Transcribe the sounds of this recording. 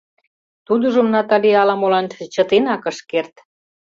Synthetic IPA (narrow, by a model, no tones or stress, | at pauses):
t̪ud̪ə̆ʒŏmnɑt̪ɑliɑlɑmolɑnt͡ɕə̆t̪enɑkə̆ʃkert̪